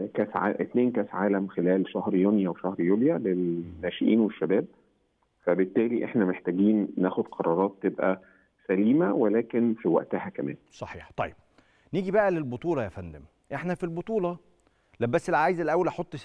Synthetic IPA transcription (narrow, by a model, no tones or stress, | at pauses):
kæːsʕa̰ʔet̪neːnkæːsʕaːlæmxelæːlʃæhɾjonjæweʃæhɾjuːljælelːæːʃeʔḭːnweʃːæbæːb̚ | fæbet̪ːæːliʔeħnæmeħt̪æɡiːnːæːxod̪̥qʰɑɾˤɑːɾˤɑːt̪ːebʔæ | sæliːmæwelæːkenfiwæ̰ʔt̪æhækæmæ̰ːnsˤɑħiːħt̪ˤɑjːeb̚ | niːɡibæʔælelbot̪ˤuːlɑjæfænd̪æm | ʔeħnæfilbot̪ˤuːlɑ | læbːæsːelʕaːjzelʔæwːælʔɑħot̪ˤː